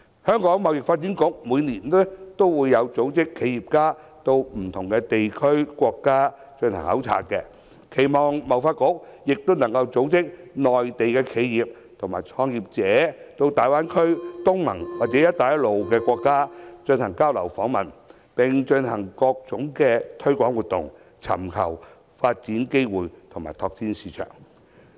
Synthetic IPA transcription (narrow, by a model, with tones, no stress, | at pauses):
hœː˥ŋkɔː˨˥ŋmɐ˨˧wjɪ˨k̚faː˧t̚t͡siː˨˥nkʊ˨˥k̚muː˨˧jniː˨˩nɛ˥t̪o˥wwuː˨˧jːɐ˨˧wt͡so˨˥wt͡sɪ˥kʰːe˨˧jiː˨˩p̚kaː˥ | t̪o˧wm̩˨˩t̪ʰʊ˨˩ŋkɛ˧t̪e˨jkʰɵ˥ɥkʷɔː˧kːaː˥ | t͡ʃɵ˧nhɐ̰˨˩ŋhɐ̰˨˥wt͡sʰa̰ː˧k̚kɛ˧ | kʰe˨˩jmɔː˨˩ŋmɐ˨˩wfaː˧t̚kʊ˨˥k̚jɪ˨k̚t̪wnɐ˨˩ŋkɐ˧wt͡so˨˥wt͡sɪ˥k̚nɔː˨jt̪e˨jkɛː˧kʰe˨˧jjiː˨p̚ | t̪ʰʊ˨˩ŋmaː˨˩jt͡sʰɔː˧ŋjiː˨p̚t͡sɛː˨˦˥t̪o˧wt̪aː˨jwaː˥nkʰɵ˥ɥt̪ʊ˥ŋmɐ˨˩ŋwaː˨t̚t͡sɛː˨˦˥jɐ˥t̪aː˨jɐ˥lo˨wkɛː˧kʷɔː˧kːaː˥t͡ʃɵ˧nhɐ˨˩ŋkaː˥wlɐ˨˩wfɔː˨˥ŋmɐ˨n | pɪ˨ŋt͡ʃɵ˧nhɐ˨˩ŋkɔː˧k̚t͡sʊ˨˥ŋkɛː˧t̪ʰɵ˥ɥkʷɔː˨˥ŋwu˨t̚t̪ʊ̰˨ŋ | t͡sʰɐ̰˨˩mkʰɐ̰˨˩w | faː˧t̚t͡siː˨˥nke˥jwuː˨jt̪ʰʊ˨˩ŋma̰ː˨˩jt̪ʰɔː˧k̚t͡siː˧˥nsiː˨˧t͡ʃʰœ̰ː˨˩ŋ